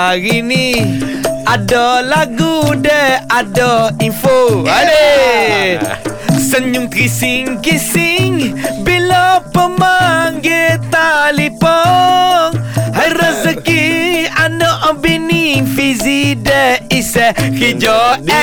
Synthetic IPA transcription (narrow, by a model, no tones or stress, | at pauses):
aɣini | adɔlaɡudəadɔinfoale | səɲʊŋt̪ɾisiŋkisiŋbilɔpəmaŋɡet̪alipɔ | hajɾəzəkianɔʔɔbinifizidɛisɛkid͡ʒɔɛ